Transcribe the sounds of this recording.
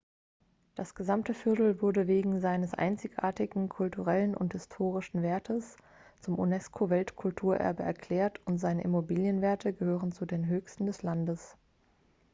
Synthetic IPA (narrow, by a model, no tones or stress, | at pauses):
d̥asɡ̥əzamtəfɪɐtl̩vʊɐdəveːɡŋ̩zaɪnəsʔa̰ɪnt͡sɪçʔa̰ːɐtɪɡŋ̩kʰʊltuʁɛlənʔʊ̰nthɪstʰoːʁ̞ɪʃn̩veːɐtʰəs | t͡sʊmʔṵnɛskʰovɛltkʰʊltʰuːɐʔɛ̰ɐbəʔɛ̰ɐkʰl̥ɛːɐtʰʊntz̥aɪnəʔɪmobiːljənveːɐtʰəɡəhøːʁənt͡sudeːnɦøːçstn̩dɛslandəs